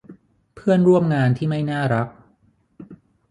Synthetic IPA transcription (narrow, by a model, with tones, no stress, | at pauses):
pʰɯ˥˩ənɾu˥˩əmŋaː˧nt̪ʰiː˥˩ma˥˩jnaː˥˩ɾa˦˥k̚